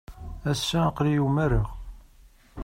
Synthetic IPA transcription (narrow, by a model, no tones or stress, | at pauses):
æsːæqlijumæɾəʁ